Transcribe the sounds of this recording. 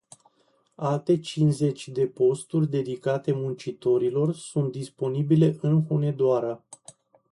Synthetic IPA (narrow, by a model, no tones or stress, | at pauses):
alt̪e̞t͡ʃinze̞t͡ʃʲd̪e̞po̞st̪urʲd̪e̞d̪ikat̪e̞munt͡ʃit̪o̞ɾilo̞rsunt̪̚d̪ispo̞nibile̞ʔɨnxone̞d̪oaɾə